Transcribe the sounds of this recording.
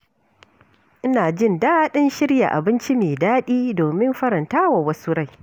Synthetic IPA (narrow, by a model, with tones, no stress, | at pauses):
ʔɪ˦naː˨d͡ʒɪ˦˨ndaː˦ɗɪ˦nʃɪ˦ɽja̰˨ʔa̰˨bɪ˦nt͡ʃi˦meː˨daː˦ɗiː˦doː˨mɪ˦mɸɐ˦ɾɐ˨ntaː˦wa˨wɐ˦su˦ɽa˦˨j